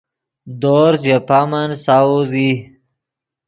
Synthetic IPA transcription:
d̪oːɾzjapamansauzi

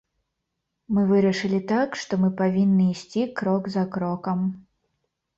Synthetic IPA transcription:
mɨvɨɾɐʂɨlʲit̪akʂt̪ɔmɨpavʲinːɨːsʲt͡sʲikɾɔɡzɐkɾɔkɐm

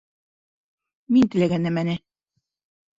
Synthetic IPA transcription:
mint̪ɘ̆læɡænːɘmænɘ

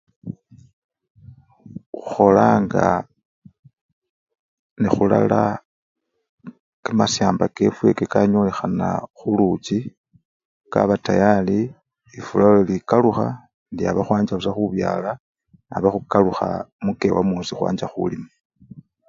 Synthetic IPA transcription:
uxo̞laːŋɡa | nixula̰la | kamasjaːmbake̞fwe̞kekaɲo̞ːle̞xana̰xulut͡ʃi | ka̰βatajali | ifulaolikaluxa | ndiaβaxwaːɲd͡ʒausaxuβjaːla | naβaxukaluxa̰muke̞wamoːsixwa̰ːɲd͡ʒaxṵlima

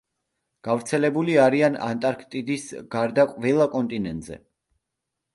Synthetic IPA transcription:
ɡ̥avɾt̪sʰɛlɛbuliaɾiana̰nt̪ʼaɾkʰt̪ʼid̪isɡaɾd̪aqʼvɛlˠakʼɔnt̪ʼinɛnt̪ʼzɛ̰

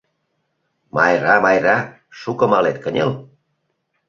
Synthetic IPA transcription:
mɑ̰jrɑmɑjrɑ | ʃukə̆mɑlet̪̚kənʲḛl

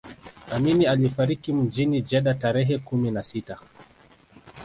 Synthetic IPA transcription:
aminialifaɾikim̩d͡ʒinid͡ʒɛɗataɾɛɦɛkuminasita

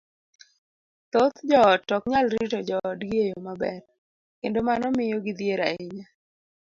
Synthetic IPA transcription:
t̪ot̪d͡ʒɔtːɔkɲalɾitɔd͡ʒɔdɡɪejomabɛ̰r | kendomanɔmɪjɔɡɪd̪jeɾaɪɲa

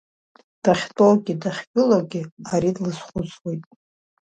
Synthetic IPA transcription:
d̥aχʲtʼowɡʲidaχʲbʼʊlaɡʲɪaɾidlɨsχʷʊt͡sʼwe̞jtʼ

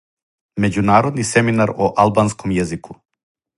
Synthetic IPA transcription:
med͡ʑunaːɾod̪nisɛminaɾoʔalˠbanskomjɛzikʰu

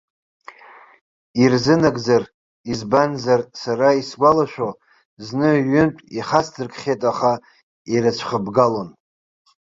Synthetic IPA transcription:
irzɨnaɡd͡zar | izbanzarsaɾaisɡʷalaʃᶣʷo | znɨɥʏntʼiχasdʰɨrkʼχʲejtʼaχa | iɾɨt͡ɕʷʰχəbɡalon

